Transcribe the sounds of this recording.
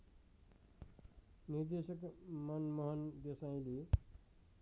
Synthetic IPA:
niɾd̪esʌkmʌnmʌɦʌnd̪esajĩli

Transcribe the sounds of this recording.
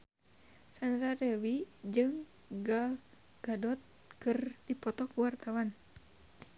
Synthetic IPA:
sanɾadɛwid͡ʒɨŋ | ɡa | ɡ̥adɔt̪̚ | kɨrdipɔt̪ɔkuwart̪awan

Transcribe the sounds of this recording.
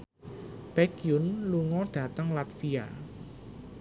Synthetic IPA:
b̥ɛkjunluŋɔɖ̥a̤t̪əŋlat̪fia̰

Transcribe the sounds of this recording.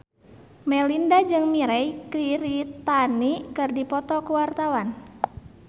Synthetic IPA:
mɛlindad͡ʒɨŋmiɾɛjkɾiɾit̪anikɨrdipɔt̪ɔkuwart̪awan

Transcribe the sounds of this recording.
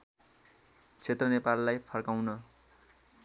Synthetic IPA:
t͡sʰet̪rʌnepalːajpʰʌrkawnʌ

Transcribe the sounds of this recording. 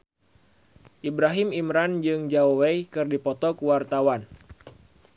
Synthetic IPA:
ʔibɾaɦɪmimɾand͡ʒɨŋd͡ʒaowejkɨrdipɔt̪ɔkuwart̪awan

